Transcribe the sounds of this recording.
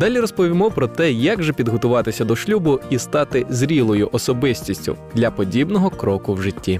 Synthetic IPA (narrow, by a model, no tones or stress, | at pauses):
d̪ɑlʲiɾɔspɔʋʲimɔpɾɔt̪ɛjɐɡʒɛpʲid̪ɦɔt̪ʊʋɑt̪ɪsʲɐd̪ɔʃlʲubʊist̪ɑt̪ɪzʲɾʲilˠɔjʊʔɔsɔbɪsʲtʲisʲtʲʊ̰d̪lʲɐpɔdʲibnɔɦɔkɾɔkʊwʒɪtʲːi